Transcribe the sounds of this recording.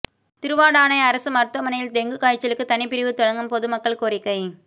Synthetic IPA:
t̪ɪɾɯʋaːɽaːnɐɪɐɾɐsɯmɐɾt̪ɐmɐnɐjɪld̪ɛŋɡɯkaːjt͡ʃːɐlɯkːɯt̪ɐnɪpːɪɾɪʋɯt̪ɔɻɐŋɡɐmpɔðɯmɐkːɐɭkoːɾɪkːɐɪ

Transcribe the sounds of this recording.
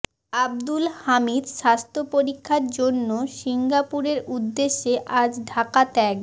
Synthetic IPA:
abd̪ulhamid̪ʃast̪ʰopoɾikʰːaɾd͡ʑonːoʃiŋɡapuɾeɾud̪ːeʃːeʔad͡ʑɖʱakat̪ɛɡ

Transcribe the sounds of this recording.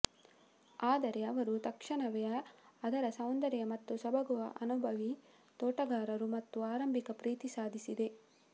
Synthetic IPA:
aːd̪ɐɾe̞ɐʋɐɾut̪ɐkʂɐɳɐʋɛjɐːd̪ɐɾɐsɐwnd̪ɐɾjɐmɐt̪ːusɐbɐɡuʋɐʔɐnubʱɐʋi | t̪ɔːʈɐɡaːɾɐɾumɐt̪ːuaːɾɐmbʱikɐpɾiːt̪isaːd̪ʱisid̪e̞

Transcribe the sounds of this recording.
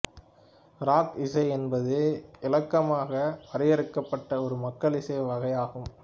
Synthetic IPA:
ɾaːkɪsɐɪɛnbɐðɯɪlɐkːɐmaːɣɐʋɐɾɐjɐɾɯkːɐpːɐʈːɐɔɾɯmɐkːɐɭɪsɐɪʋɐɣɐjaːɣɯm

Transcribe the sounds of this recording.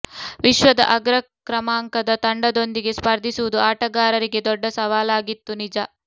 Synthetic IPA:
ʋiʃʋɐd̪ɐ̰ʔɐɡɾɐkɾɐmaːŋkɐd̪ɐt̪ɐɳɖɐd̪o̞nd̪iɡe̞spɐɾd̪ʱisuʋud̪uaːʈɐɡaːɾɐɾiɡe̞d̪ɔɖːɐsɐʋaːlaːɡit̪ːunid͡ʒɐ

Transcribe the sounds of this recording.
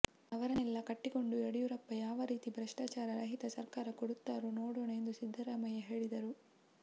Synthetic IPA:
ɐʋɐɾɐnɛlːɐkɐʈːiɡo̞ɳɖueɽijuɾɐpːɐjaːʋɐɾiːt̪ibɾɐʂʈaːt͡ʃaːɾɐɾɐɦit̪ɐsɐɾkaːɾɐkoɽut̪ːaːɾunoːɽoːɳend̪usid̪ʱːɐɾaːmɐjɐɦe̞ːɭid̪ɐɾu

